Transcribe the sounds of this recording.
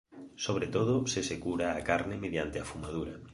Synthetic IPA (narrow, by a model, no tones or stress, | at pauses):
soβ̞ɾet̪oð̞osesekuɾaːkaɾnemeðjant̪eafumaðuɾa